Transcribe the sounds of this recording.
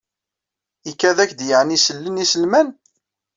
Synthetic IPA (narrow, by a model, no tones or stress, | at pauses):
ikːæðækd̪jəʕnisəlːənisəlmæn